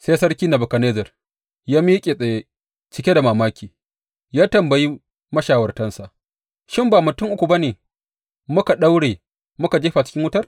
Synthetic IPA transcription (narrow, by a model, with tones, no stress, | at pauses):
seː˦sɐ˦rkʲiː˦na˨bʊ˨ka˨neː˦zɐ˨r | jaː˦miː˦kʲʼe˨sʼɐ˨je˦ | t͡ʃɪ˨kʲe˦da˨maː˨maː˦kʲʰiː˨ | jaː˦tɐ˨mbɐ˨ji˦ | mɐ˦ʃaː˨wɐ˨rtɐ˦nsa˨ʔ | ʃɪ˦mbaː˨mʊ˨tʊ˦ŋʔʊ˦kʷu˨ba˦neː˨ | mʊ˦ka˨ɗa˦wɽeː˨ | mʊ˦ka˨d͡ʒeː˦ɸa˨t͡ʃɪ̥˦kʲɪ˦ŋwʊ˦tɐ˦r